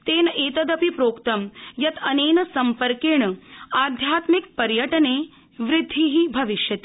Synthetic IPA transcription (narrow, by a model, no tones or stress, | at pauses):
t̪eːnɐʔeːt̪ɐd̪ɐpipɾoːkt̪ɐmjɐt̪ʰɐneːnɐsɐmpɐɾkeːɳɐaːd̪ʱjaːt̪mik̚pɐɾjɐʈɐneː | ʋɾɪd̪ʱːiɦibʱɐʋiʃjɐt̪i̥